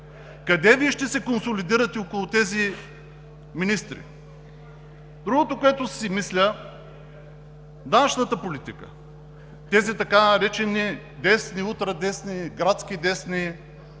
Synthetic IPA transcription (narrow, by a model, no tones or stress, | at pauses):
kɐd̪ɛviɛʃt̪ɛsɛkonsolid̪iɾɐt̪ɛokʊlˠʊt̪ɛzi | minist̪ɾḭ | d̪ɾuɡot̪okoɛt̪osimislʲə | d̪anɐʃnət̪əpolit̪ikə̰ | t̪ɛzit̪ɐkanɐɾɛt͡ʃɛni | d̪ɛsniut̪ɾɐd̪ɛsniɡɾat̪skʲid̪ɛsni